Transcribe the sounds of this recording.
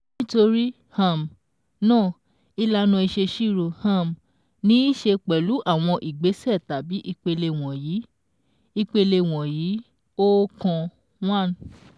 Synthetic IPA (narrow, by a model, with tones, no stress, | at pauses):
nĩ˦to˧ɾi˦ | hã˨m˨ | nãː˦˨ | i˧la˧nã˧i˧ʃe˧ʃi˦˨ɾo˧˨hã˦˨m˨ | nĩ˨˦i˦ʃe˧k͡pɛ˨lu˨˦ʔa˦˨w̃ɔ̃˧ʔi˨ɡ͡be˨˦sɛ˦˨ta˨˦bi˦ʔi˧k͡pe˧le˧w̃ɔ̃˨jiː˨˦ | i˧k͡pe˧le˧w̃ɔ̃˨jiː˨˦ | o˦kã˧ | w̃ã˦˨n˨